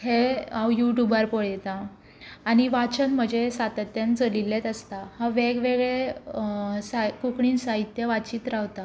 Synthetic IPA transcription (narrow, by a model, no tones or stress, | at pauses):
heawjuʈjubaɾpoɭjt̪aː | ñiʋat͡ɕənm̤əd͡ʑesat̪ət̪jant͡səlilːet̪əst̪ahaʋeɡʋeɡɭe | sakukɳiːnsaɦit̪jəʋat͡ɕiːt̪ɾawt̪a